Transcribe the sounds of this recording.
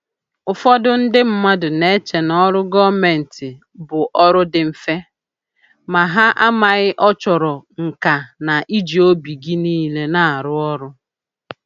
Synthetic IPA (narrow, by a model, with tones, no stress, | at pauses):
ʊ˨fɔ˦dʊ˦n̩˦dɪ˦m̩˦ma˦dʊ˨ne˦t͡ʃe˨nɔ˦ɾʊ˦ɡɔ˦me˨n̩˨tɪ˨ | bʊ˨ʔɔ˦ɾʊ˦dɪ˨m̩˨fe˦ | ma˨ɦa˦ʔa˦ma˨ɣɪ˦ʔɔ˦t͡ʃɔ˨ɾɔ˨ŋ̩˨ka˨na˨ʔi˦d͡ʒi˨o˦bi˨ɡi˦niː˦le˦na˨a˨ɾʊ˦ɔ˦ɾʊ˦